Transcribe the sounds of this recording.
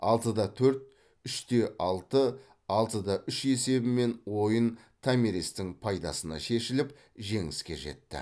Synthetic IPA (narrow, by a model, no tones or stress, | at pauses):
ɑ̰lˠt̪əd̪ɑt̪ʰɵɾt̪̚ | ʏʃt̪e̞ʔɑlˠt̪ə | ɑlˠt̪əd̪ɑʔʏʃe̞se̞bɪme̞nwo̞jən | t̪ʰameɾist̪ɪŋpʰɑjd̪ɑ̰sənɑ̰ʃe̞ʃɪlɪp | ʒe̞ŋɪskʲe̞̰ʒe̞̰t̪ːɪ̰